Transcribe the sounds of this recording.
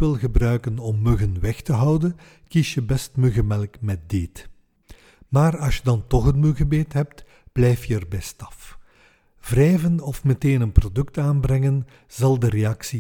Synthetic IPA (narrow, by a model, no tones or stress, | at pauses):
ɪlˠɣəbrœɥkənɔmːøɣənwɛxtəɦɑwdən | kisjəbɛstmøɣəmɛlˠkmɛt̚deːt | maːrɑsjədɑntɔχənmøɣəbeːtɦɛp̚t | b̥lɛjfjəərbɛstɑ̥f | v̥rɛjvənɔfmɛteːnənprodɵktaːnbɾɛŋən | zɑlˠdəɾeɑksi